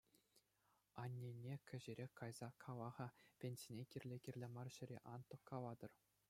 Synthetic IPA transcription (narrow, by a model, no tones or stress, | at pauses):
ɑnʲːenʲːekʲɘ̆ʑɘ̆ɾʲekɑjz̥ɑkʰɑlˠɑʁɑpʲenʲsʲinʲekʲirʲlʲekʲirʲlʲemɑrɕɘ̆ɾʲḛʔɑnt̪ŏkːɑlˠɑd̪ɤ̆r